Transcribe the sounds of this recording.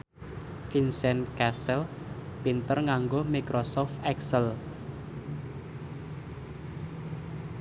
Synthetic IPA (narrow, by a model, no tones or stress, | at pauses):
finsɛnkɛsɛl | pint̪ərŋaŋɡomikɾosɔft̪ɛksəl